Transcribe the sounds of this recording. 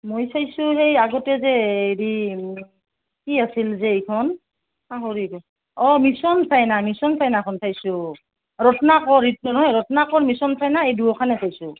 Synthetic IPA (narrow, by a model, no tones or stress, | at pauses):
mojsajsʊɦejaɡɔtɛzɛeɾi | kiasilzɛejkʰɔn | aɦoɹikɔ | ɔmisɔnsajnamisɔnsajnakʰɔnsajsʊ | ɹɔtɔnakɔɹit̚nɔnɔɦɔjɹɔtɔnakɔɹmisɔnsajnaejduɔkʰanɛsajsʊ